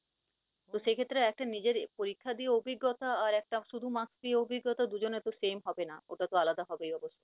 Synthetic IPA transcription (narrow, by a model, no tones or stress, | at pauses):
t̪oʃekʰet̪ːɾeɛk̚ʈanid͡ʑeɾpoɾikʰːad̪ieobʱiɡːot̪aːɾɛk̚ʈaʃud̪ʱumasd̪ieobʱiɡːot̪ad̪ud͡ʑonet̪oʃemɦɔbenaoʈat̪oalad̪aɦɔbejɔboʃːo